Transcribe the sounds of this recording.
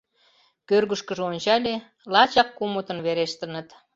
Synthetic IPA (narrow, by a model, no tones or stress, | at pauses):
kørɣəʃkəʒeonʲt͡ɕɑlʲe | lɑt͡ɕɑkːumot̪ənβeɾeʃt̪ə̆nə̆t̪